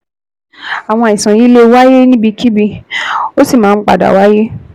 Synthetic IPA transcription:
a˨w̃ɔ̃˧˨i˨sã˨ji˦le˦˧˦wa˦je˦nĩ˦bi˧kʰi˦bi˧o˦si˦˨mãː˦˧n̩˦k͡pa̰˨da̰˨wa˨˦je˦

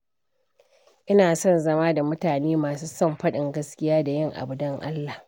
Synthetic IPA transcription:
ʔɪ˦naː˨sɔ˦˨nzɐ˦maː˦da˨mʊ˦taː˨neː˦maː˨suː˦sɔ˦˨mɸɐ˦ɗɪ˨ŋɡɐ˦skʲɪ˦jaː˦da˨jɪ˦˨ŋʔa̰˨bʊ˨dɐ˦ŋʔa˦lːa˨h

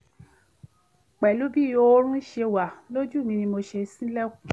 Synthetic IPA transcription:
k͡pɛ˨lu˨˦bi˦˨jo˧˦ɾ̃ũ˦i˦ʃe˧˨wa˨lo˦d͡ʒu˦˨mĩ˧nĩ˧mo˧ʃe˧sĩ˦lɛ˦ku˨

